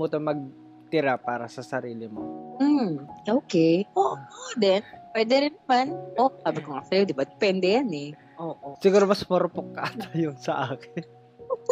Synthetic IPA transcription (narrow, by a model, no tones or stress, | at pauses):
mut̪ɐmɐɡ̚ | t̪ɪɾapaːɾɐsɐsɐɾiːlɪmo̰m̩ʔoːkɛjʔoːʔʔʔd̪ɛnpwɛːd̪ɛɾɪnːɐmanʔosaːbɪkoŋɐk̚sɐjod̪ɪbad̪ɪ̥pwɛnd̪ɛjɐnɛ | ʔoːʔosɪɡuːɾomɐsmɐɾʊpok̚ːɐʔat̪ɐjʊŋsɐʔaːkɪn